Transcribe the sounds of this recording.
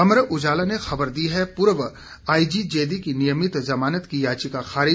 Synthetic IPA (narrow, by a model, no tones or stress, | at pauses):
ɐmɾəʔʊd͡ʒaːlanexɐbəɾd̪iɦɛpʊɾʋ | aːid͡ʒid͡ʒeːd̪ikinijəmɪt̪zɐmaːnət̪kijaːt͡ʃikaxaːɾɪ